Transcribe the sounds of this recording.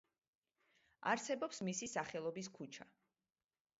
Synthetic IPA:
aɾsɛbɔpsmisisaχɛlˠɔbis̬kʰut͡ʃʰa

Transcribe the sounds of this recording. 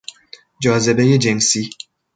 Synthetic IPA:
d͡ʒɒːze̞bejed͡ʒensi

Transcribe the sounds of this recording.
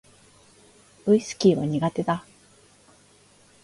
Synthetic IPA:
ɯisɨ̥kʲiːβaɲ̟iɡat̪e̞d̪a

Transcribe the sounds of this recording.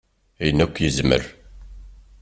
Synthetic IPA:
æjənːækʷːjəzmə̰ɾ

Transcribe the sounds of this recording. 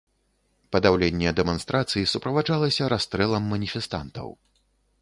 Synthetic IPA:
pɐd̪awlʲenʲːɛd̪ɛmanst̪ɾʔat̪sɨjisupɾɐvad͡ʐalˠɐsʲɐɾast̪ɾɛlˠɐmːɐnʲifʲɛst̪a̰nt̪ɐ̰w

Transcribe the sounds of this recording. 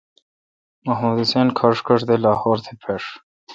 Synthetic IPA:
mɐɦũːd̪isenkʰɐʂkəʂd̪elaːhoːɾt̪ʰepʰeʂ

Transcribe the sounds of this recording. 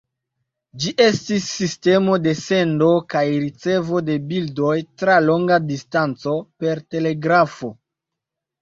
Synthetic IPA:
d͡ʒiʔe̞stisːiste̞mo̞de̞se̞ndo̞kajɾit͡se̞vo̞de̞bildo̞jtɾalo̞ŋɡadistant͡so̞pe̞ɾte̞le̞ɡɾafo̞

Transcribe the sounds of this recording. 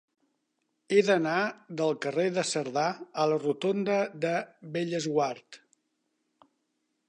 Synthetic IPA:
eðənaðəlˠkəreðəsəɾðaələrut̪ond̪əðəβeʎəzɣwaɾt̪

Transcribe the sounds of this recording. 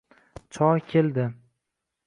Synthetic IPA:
t͡ʃʰɒɾkʲʰeld̪ɪ

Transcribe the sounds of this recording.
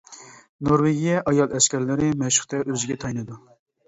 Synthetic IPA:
noɾweɡʲijɛʔɑjɑlˠɛʃkʲɛɾlɪɾɪmɛʃʊ̥χt̪ʰɛʔøzɪɡʲɛt̪ʰɑjnɨd̪u

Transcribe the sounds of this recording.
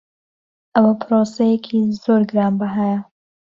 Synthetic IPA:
ʔɐwɐpʰɾosejekʰizoːɾɡɨɾaːmbaɦajɐ

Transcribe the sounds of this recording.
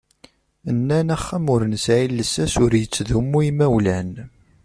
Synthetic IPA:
ənːænæχːæmʊɾənsʕilːəsæsʊɾjət͡sːðumːuimæwlæn

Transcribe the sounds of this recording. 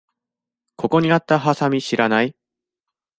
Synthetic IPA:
kʰo̞ko̞ɲ̟iat̪ːaɦasamʲiɕiɾanai

